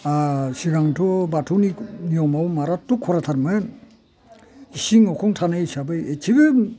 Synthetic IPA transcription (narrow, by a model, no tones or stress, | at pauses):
asiɡaŋtʰɔbatʰuninijɔmawmaɾatukʰːɔɾatʰaɾmɯn | isiŋɔkʰɔŋtʰanajsabɯjetʰibɯ